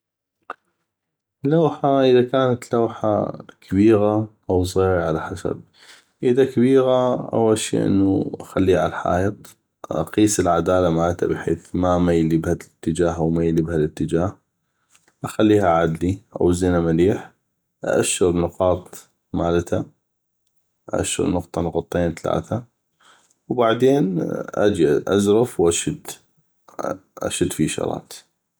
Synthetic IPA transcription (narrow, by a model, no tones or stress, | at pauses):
lawħaʔɪðakaːnat̪lawħa̰kʰabiːɣaʔaws̬ˤɣiːɾaʕalaħasa̰b̚ | ʔɪðakabiːɣaʔa̰waʃḭːʔɪ̰nːuʔaxalːiːhalħa̰ːjɨt̪ˤ | ʔɑ̰qiːsɪlʕad̪aːlamaːlt̪a̰bɪħḛːθmamajlibhat̪ːɪd͡ʒaːɦʔawmajlibhalɪt̪ːɪd͡ʒaːh | ʔaxalːiːhaʕad̪liʔa̰wzɪnamaliːħ | ʔaʔa̰ʃːɪɾnʊqɑːt̪ˤ | maːlt̪ʰa | ʔʔa̰ʃːɪ̰ɾnʊqt̪ˤɑnʊqɑt̪ˤːeːnt̪ala̰ːθa | wbaʕd̪eːnʔa̰d͡ʒiʔa̰zɾɑfwʔaʃɪd̪ | ʔa̰ʃɪd̪fiʃɑ̰ɾˤɑ̰ːt̪